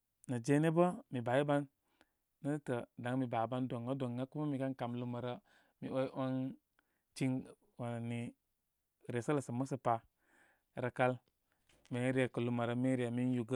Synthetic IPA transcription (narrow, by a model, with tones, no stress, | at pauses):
na˨d͡ʒe˦ne˦bə˦mi˨ba˨i˦ba˦nː | ə˦tə˨da˨ŋmi˨ba˨ba˦ndo˨ŋɡa˦do˨ŋɡa˦ku˦ma˦mi˨ka˦nka˨mlu˦mə˨ɾə˦ | mi˨o˦i˦ʔa˦ŋ | t͡ʃi˦ŋ | wa˨na˨ni˨ | ɾe˨sə˦lə˨sə˨mə˦sə˨pa˨ | ɾa˨ka˦l | me˨˦ɾi˦e˨kə˨lu˨˦ma˨ɾə˦mi˦ɾi˨e˨mi˦n˦ju˨ɡə˦